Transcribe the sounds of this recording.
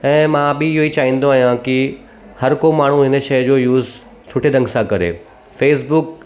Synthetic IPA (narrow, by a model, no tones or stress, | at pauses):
ɛ̃ːmãːbɪɪɦoit͡ɕaːɦĩːn̆d̪oaːɦijãki | hɐɾkomaːɳ̤ũɦɪnə̆ʃɐjd͡ʑoːjuːz | sʰʊʈʰed̪ɐ̃ŋɡsãkɐɾḛː | feːsbʊk